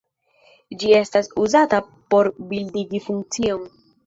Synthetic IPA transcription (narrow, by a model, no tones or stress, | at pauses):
d͡ʒie̞stasuzata | po̞ɾbildiɡifuŋk̚t͡sio̞n